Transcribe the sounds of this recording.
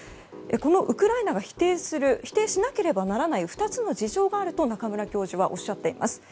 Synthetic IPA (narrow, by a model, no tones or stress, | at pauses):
eko̞no̞ʔɯ̟kɯ̟ɾainaɡaçi̥t̪eːsɨɾɯ̟çi̥t̪e̞ːɕinake̞ɾe̞banaɾanaiɸɯ̥t̪at͡sɨno̞d͡ʑiʑo̞ːɡaːɾɯ̟t̪o̞nakamɯ̟ɾakʲo̞ːʑiβaʔo̞̰ɕːat̪ːe̞ima̰sɨ̥